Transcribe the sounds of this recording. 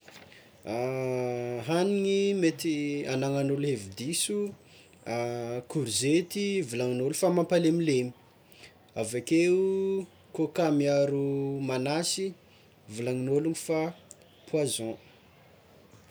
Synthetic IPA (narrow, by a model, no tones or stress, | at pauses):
a | ɦaniŋimet̪ianaŋanuluɦevid̪isu | akuɾzet̪ivulaŋinolufamampalemilemi̥ | avakeu | kokamiaɾumanasi | vulaŋinoluŋifa | pʰwazɔ̃